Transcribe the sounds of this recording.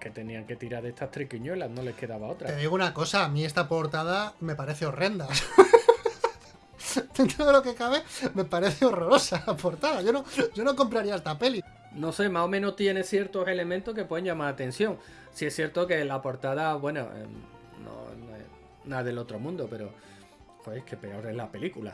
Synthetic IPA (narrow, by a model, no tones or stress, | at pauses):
ke̞t̪e̞nĩaŋke̞t̪iɾaɾðest̪aht̪ɾikiɲwe̞lano̞le̞hke̞ðaβao̞t̪ɾat̪eðiɣunako̞saːmĩe̞st̪apo̞ɾt̪aðame̞paɾe̞θeo̞re̞nd̪as | d̪̥e̞nt̪ɾoðe̞lo̞ke̞kaβ̞e̞me̞paɾe̞θeo̞ro̞ɾo̞salapo̞ɾt̪aðaʝo̞no̞ʝonok̬o̞mpɾaɾiaest̪ape̞li | no̞se̞maso̞mẽnot̪je̞ne̞θje̞ɾt̪o̞se̞le̞mẽnt̪ohkepweeɲʝamaɾat̪ẽ̞n̟sθjo̞ŋ | sie̞sθje̞ɾt̪oke̞lapo̞ɾt̪aðaβwe̞no̰ | no̰no̰e̞̰s | naðelo̞t̪ɾo̞mũnd̪ope̞ɾo̞ | pweke̞pe̞o̞ɾe̞ɦlape̞likula̰